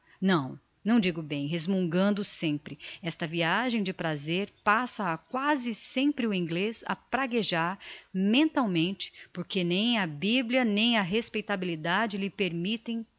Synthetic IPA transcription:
nɐ̃w̃ | nɐ̃w̃d͡ʒiɡʊbẽj̃ɦezmũŋɡɐ̃nd̪ʊsẽmpɾɪɛst̪ɐviaʒẽj̃d͡ʒɪpɾazeɾpasɐːkwazɪsẽmpɾɪʊĩŋɡlesɐ̰pɾaɡeʒaɾmẽnt̪awmẽnt͡ʃɪ̥poɾkenẽj̃ɐbibliɐnẽj̃ɐɦespejt̪abilid̪ad͡ʒɪlɪpeɾmit̪ẽj̃

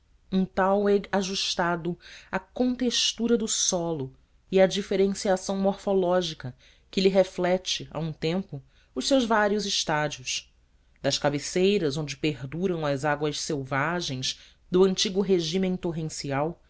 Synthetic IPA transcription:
ũt̪awɛaʒuʃt̪ad̪ʊɐkõnt̪eʃt̪uɾɐd̪ʊsɔlʊ | ɪɐd͡ʒifeɾẽsiasɐ̃w̃moɾfolɔʒikɐ | kɪliɦeflɛt͡ʃɪa̰ũt̪ẽmpʊ | ʊʃsewzvaɾiʊzɪʃt̪ad͡ʒiʊs | d̪ɐʃkabesejɾɐzõnd͡ʒɪpeɾd̪uɾɐ̃w̃ɐzaɡwɐʃsewvaʒẽj̃z | d̪ʊɐ̃nt͡ʃiɡʊɦeʒĩm̃t̪oɦẽsiaw

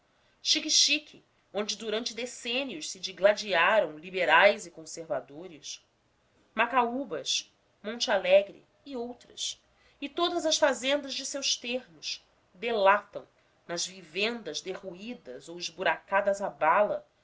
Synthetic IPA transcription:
ʃikiʃikʰɪ | õnd͡ʒɪd̪uɾɐ̃nt͡ʃɪd̪esẽnjʊʃsɪd͡ʒiɡlad͡ʒiaɾɐ̃w̃libeɾajzɪkõseɾvad̪oɾɪs | makaubɐʃ | mõnt͡ʃɪalɛɡɾɪ̰ːowt̪ɾɐ̰s | ɪt̪od̪ɐzɐʃfazẽnd̪ɐʒd͡ʒɪsewʃt̪eɾmʊʃ | d̪elat̪ɐ̰̃w̃ | nɐzvivẽnd̪ɐzd̪eʁuid̪ɐzowɪʒbuɾakad̪ɐzabalɐ

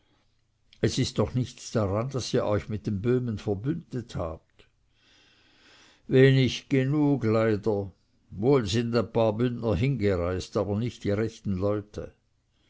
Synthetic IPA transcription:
ɛsɪstːɔχnɪçt͡sd̥aʁandasiːɐʔɔʏçmɪt̚d̥embøːmənfɛɐbʏnd̥ətha̰ːp̚t | veːnɪçɡ̥enuːɡlaɪdɐ | voːlzɪndaɪnpʰaːɐbʏndnɐɦɪnɡəʁaɪstaːbɐnɪçtd̥iʁɛçtn̩lɔʏtʰə̰

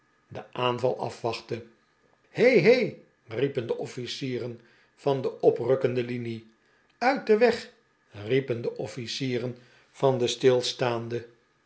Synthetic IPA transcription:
dəʔaːnvɑlˠʔɑ̰fʋɑχtə | hejɦej | ripəndəʔɔfisiːrən | v̥ɑndəʔɔprɵkəndəlini | œɥt̚dəʋɛχ | ripəndəʔɔfisiːrən | v̥ɑndəstɪlˠstaːndə

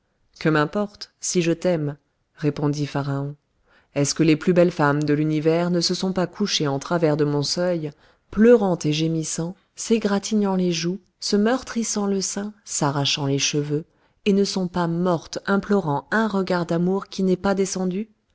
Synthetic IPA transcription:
kəmɛ̃pɔʁt̪siʒət̪ɛm | ʁepɔ̃d̪ifaʁaɔ̃ | ɛskəleplybɛlfamd̪əlynivɛʁnəsəsɔ̃pakuʃeɑ̃t̪χavɛʁd̪əmɔ̃sœj | plœʁɑ̃t̪eʒemisɑ̃ | seɡʁat̪ʰiɲɑ̃leʒu | səmœʁt̪χisɑ̃ləsɛ̃saʁaʃɑ̃leʃəvø | enəsɔ̃pamɔʁt̪ɛ̃plɔʁɑ̃ɛ̃ʁəɡaʁd̪amuʁkʲinɛpad̪esɑ̃d̪y

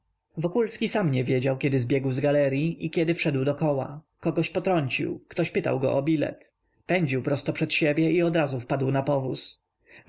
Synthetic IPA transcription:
vɔkulskʲisamɲɛvʲjed͡ʑawkʲɛd̪ɘzbʲjɛɡwzɡalɛɾʲjiʔikʲɛd̪ɘfʂɛd̪wd̪ɔkɔwa̰ | kɔɡɔɕpɔt̪ɾɔɲt͡ɕḭwkt̪ɔɕpɘt̪a̰wɡɔ̰ʔɔbʲilɛ̰t̪ | pɛɲd͡ʑiwpɾɔst̪ɔpʂɛt̪ɕebʲjɛʔiɔd̪ɾazufpad̪wnapɔvus

